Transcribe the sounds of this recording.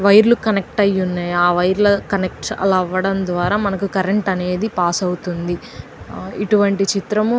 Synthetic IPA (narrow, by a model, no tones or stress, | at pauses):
ʋɐjɾlukɐnek̚ʈɐjːunːaːjaːʋɐjɾlɐkɐnek̚ʈɐ̰lɐʋːɐɽɐnd̪ʋaːɾaːmɐnɐkukɐɾeɳʈɐne̞ːd̪ipaːsɐwut̪und̪i | iʈuʋɐɳʈit͡ʃit̪ɾɐm